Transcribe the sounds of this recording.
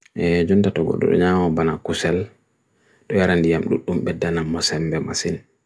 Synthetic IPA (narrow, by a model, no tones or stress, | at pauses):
ʔɛd͡ʒuntatɔɡɔ̰ɗɔ̰ɗɔ̰ɲamabanakusɛl | ɗɔjaɾandijamɗṵɗːumɓɛdːanamːɔsɛmbɛma̰sin